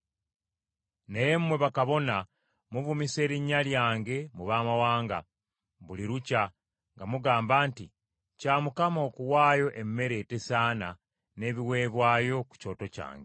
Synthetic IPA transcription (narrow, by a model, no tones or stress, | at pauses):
nejemmwe̞βakaβo̞na | muβumise̞ːɾiɲːaljaːŋɡe̞muβaːmawaːŋɡa̰ | βuliɾuca | ŋɡamuɡaːmbaːnti | caːmukamo̞ːkuwaːjo̞ʔe̞mːe̞ɾe̞ːte̞saːna | ne̞ːβiwe̞ːβwaːjo̞ku̥co̞ːto̞ca̰ːŋɡe